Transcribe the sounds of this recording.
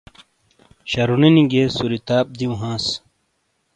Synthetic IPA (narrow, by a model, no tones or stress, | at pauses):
ɕɐɾuninĩɡeːsuɾit̪aːp̚d̪iũɦãːs